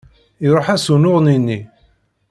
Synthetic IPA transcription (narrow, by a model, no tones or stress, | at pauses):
iɾˤoħæsunʊʁninːi